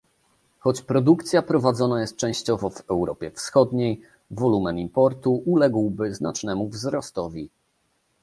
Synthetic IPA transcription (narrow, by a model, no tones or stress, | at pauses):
xɔt͡ɕpɾɔd̪ukt̪sʲjapɾɔvad̪zɔnajɛst̪̚t͡ʂɛ̃w̃ɕt͡ɕɔvɔvɛwɾɔpʲjɛfsxɔd̪ɲej | vɔlumɛmimpɔɾt̪uʔulɛɡwbɘzna̰t͡ʂnɛmuvzɾɔst̪ɔvʲi